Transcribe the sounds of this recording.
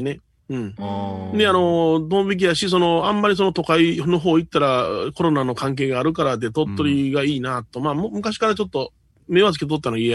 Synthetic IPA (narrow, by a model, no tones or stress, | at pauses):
ne | ɯ̟̃ɴd̪e̞ano̞d̪õ̞mbʲik̬ʲijaɕis̬o̞no̞ãmːaɾʲis̬o̞not̪o̞kaino̞ɦo̞ːit̪ːaɾako̞ɾo̞nano̞kãŋk̬e̞ːɡaːɾɯ̟kaɾad̪et̪o̞t̪ːo̞ɾʲiɡaiːnat̪o̞maːmmɯ̟kaɕi̥kaɾat͡ɕo̞t̪ːo̞ | me̞βazɨkʲet̪̬o̞t̪ːanoiea